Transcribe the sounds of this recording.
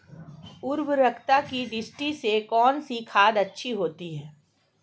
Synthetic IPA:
ʊɾwɾɐkʰt̪akiɖɪsʈisekɔːnsikʰaːd̪ɐtːʃʰiɦoːt̪iɦɛː

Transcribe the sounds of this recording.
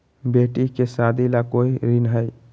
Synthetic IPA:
beʈikesad̪ʱilakoːiɾinɦəj

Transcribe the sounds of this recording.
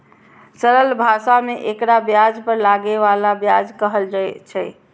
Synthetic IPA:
səɾəlbʱasameʔekɾabjad͡ʒpəɾlaɡeʋalabjad͡ʒkəɦəld͡ʒaɛt͡ʃʰɛ

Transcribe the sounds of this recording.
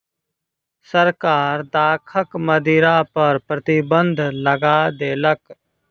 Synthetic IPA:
səɾkaːɾd̪aːkʰəkməd̪iːɾapəɾpɾət̪ibə̃nd̪ʱləɡaːd̪eːlək

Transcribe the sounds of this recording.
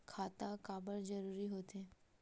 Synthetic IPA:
kʰaːt̪akaːbəld͡ʒəɾuːɾiɦoːt̪e

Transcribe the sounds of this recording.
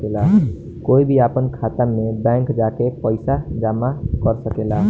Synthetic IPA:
ela | koːibʱiaːpənkʰaːt̪əmẽbɛ̃ːŋkd͡ʒaːkepəɪsad͡ʒaːmakəɾsəkelaː

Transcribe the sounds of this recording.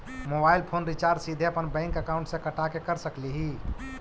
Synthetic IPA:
mobailpʰonɾit͡ʃaːɾɖsid̪ʱeəpənbɛ̃ŋkəkaʊ̃ɳʈsẽkəʈakekəɾsəkliɦi

